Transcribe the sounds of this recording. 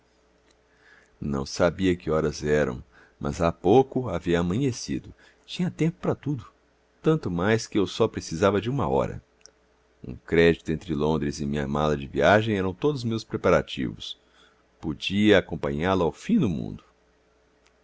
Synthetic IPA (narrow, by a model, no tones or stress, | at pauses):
nɐ̰̃w̃sabiɐkɪɔɾɐzɛɾɐ̰̃w̃ | mʔɐ̰zapowkʊaviɐːmɐ̃ɲesid̪ʊ | t͡ʃĩɲɐt̪ẽmpʊ̥pɾɐt̪ud̪ʊ | t̪ɐ̃nt̪ʊmajskɪewsɔpɾesizavɐd͡ʒɪũmɐ̰ɔ̰ɾɐ̰ | ṵ̃kɾɛd͡ʒit̪ʊẽnt̪ɾɪlõnd̪ɾɪzɪmĩɲɐ̰malɐd͡ʒɪviaʒẽj̃ɛɾɐ̃w̃t̪od̪ʊzmewspɾepaɾat͡ʃḭvʊs | pod͡ʒiɐakõpɐ̃ɲaɾlʊawfĩd̪ʊmṵ̃nd̪ʊ